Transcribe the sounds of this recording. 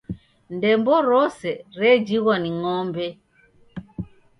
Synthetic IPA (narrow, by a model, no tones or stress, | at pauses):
ndɛmbɔɾɔsɛɾɛd͡ʒiɣaniŋɔmbɛ